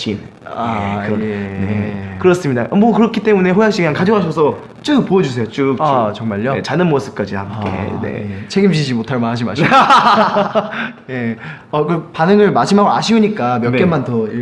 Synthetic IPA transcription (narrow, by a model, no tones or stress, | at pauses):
ɕin | aekɯɾʌnḛkɯɾʌs͈ɯmɲidaʔʌmwʌkɯɾʌkʰit͈e̞mune̞ɦojaŋɕ͈ikɯɲaŋkad͡ʑoɦaɕ̬ʰʌsʰʌ | t͡ɕ͈ɯk̚p͈oed͡ʑus̬ʰe̞jot͡ɕ͈ɯk̚t͡ɕʌŋmaʎjʌet͡ɕanɯnmos͈ɯ̥p̚k͈ad͡ʑiham͈ḛne̞̰t͡ɕʰeɡimɕ̬id͡ʑimotʰaɭmanɦad͡ʑima | je | ʌkɯpanɯŋɯɭmaɕʰimɦaɡoa̰ɕʰiuɲik͈amjʌnk͈emːantʌi